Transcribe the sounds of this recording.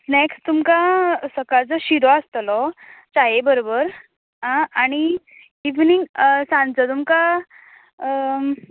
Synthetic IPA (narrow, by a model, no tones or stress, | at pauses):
nekst̪umkasəkat͡səɕiɾɔast̪lɔt͡saɦebəɾobəɾ | ɦãaɽ̃i | iʋniŋɡsãnt͡sət̪umka